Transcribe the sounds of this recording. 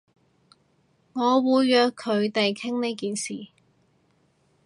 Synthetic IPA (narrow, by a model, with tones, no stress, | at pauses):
ŋɔː˨˧wuː˨˧jjœː˨˧kʰːɵ˨˧ɥt̪e˨jkʰɪ˥ŋne˨˧jkiː˨nsḭː˨˩